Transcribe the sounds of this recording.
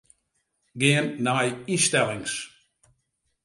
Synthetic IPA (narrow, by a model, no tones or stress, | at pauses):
ɡeːənnajiʃtɛlɪŋs